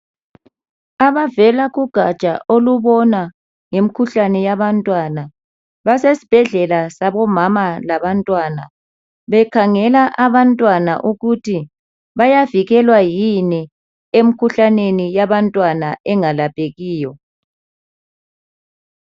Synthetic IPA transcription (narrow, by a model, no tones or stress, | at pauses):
aβavɛlaɣuɡ̥ʱat͡ʃʼa̰ʔoluβɔna | ŋem̩ikʰuɬanɛjaβantʼwana | βasesi̥b̥ʱɛɮɛlasaβɔmamalaβantʼwana | βɛkʰaŋɛlaʔaβantʼwana̰ʔuɣutʰi | βajaviɣɛlwajini | em̩kʰuɬanenijaβantʼwanaʔɛŋalapʼeɣiːjɔ